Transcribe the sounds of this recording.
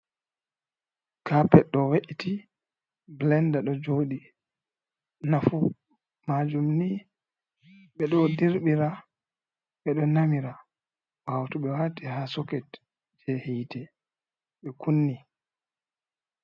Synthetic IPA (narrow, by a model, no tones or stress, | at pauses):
kapɛɗːɔweʔiti | blɛndaɗɔd͡ʒoːɗi | nafu | mad͡ʒumni | ɓɛɗɔdiɾɓiɾa | ɓɛɗɔnamiɾa | wawtuɓɛwatihasɔkɛt | d͡ʒɛhitɛ | ɓɛkunːi